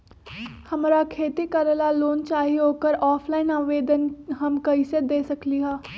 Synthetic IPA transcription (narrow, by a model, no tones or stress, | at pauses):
hɐmɾakʰeːt̪ikɐɾəlaloːnt͡ʃaːɦiɦoːkəɾɔːpʰlaːɪnaːʋeːd̪ənɦɐmkɐised̪eːsɐkliɦɛː